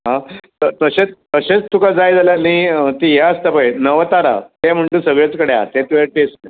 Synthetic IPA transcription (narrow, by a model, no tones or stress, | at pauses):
ɦãt̪ət̪əɕet͡st̪əɕet͡st̪ukad͡zajd͡zaljaniət̪iːɦaəst̪apəjnəʋət̪aɾa̰t̪em̤əɳʈ̪uːsəɡɭet͡skəɽea̰t̪ẽt̪uʋaʈesne